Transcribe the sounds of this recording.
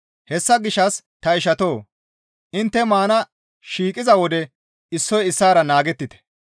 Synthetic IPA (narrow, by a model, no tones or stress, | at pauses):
hɛsːɐɡɪʃːɐs | t̪ɐɪʃɐt̪oː | ʔɪnt̪ːɛmaːnɐ | ʃiːkʼɪzɐwɔd̪ɛ | ɪsːɔjɪsːaːɾɐnaːɡɛt̪ːɪt̪ɛ̥